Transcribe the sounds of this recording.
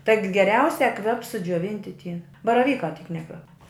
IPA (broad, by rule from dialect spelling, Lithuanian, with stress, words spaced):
tɐɪk ɡʲɛˈrʲɛʊsʲɛ ˈkʋʲɛp sʊd͡ʒʲuɔˈʋʲɪnʲtʲɪ tʲiɛ bɐrɐˈʋʲiːkɑː tʲiːk ˈnʲæːkʋʲɛp